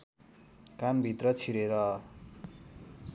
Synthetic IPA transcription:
kanbʱit̪rʌt͡sʰiɾeɾʌ

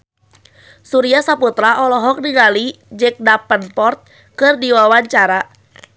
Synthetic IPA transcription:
suɾiasaput̪ɾaɔlɔɦɔk̚diɡalid͡ʒɛk̚dapənpɔrt̪̚ | kɨrdiwawaɲt͡ʃaɾa

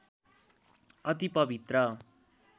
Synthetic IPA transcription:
ʌt̪ipʌbʱit̪rʌ

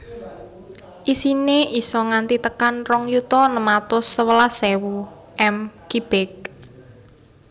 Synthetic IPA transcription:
ʔisineʔisɔŋant̪it̪əkanrɔŋjut̪ɔnəmat̪ʊsːəwəlasewu | ʔɛmkib̥ɪk̚

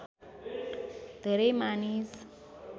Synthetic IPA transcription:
d̪̥ʱeɾejmanis

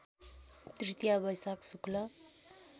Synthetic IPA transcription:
t̪rit̪ijabʌjsaksuklʌ

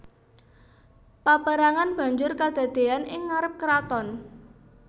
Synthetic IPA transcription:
pabaɾaŋanb̥a̤ɲd͡ʒʊrkad̪̥a̤d̪̥e̤anɪŋːaɾəp̚kəɾat̪ɔn

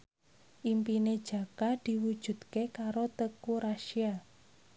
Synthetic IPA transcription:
ʔimpined̥ʒ̥ä̤kad̪̥i̤wud̥ʒ̥ṳd̪̥kekaɾot̪əkuɾaʃia

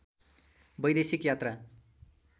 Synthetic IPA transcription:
bʌjd̪esikjat̪ra

